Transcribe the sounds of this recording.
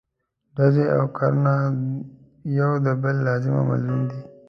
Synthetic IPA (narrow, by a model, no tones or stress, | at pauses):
ɖazea̰wkʰaɾna | jawd̪əbəlːazɪma̰ma̰lund̪i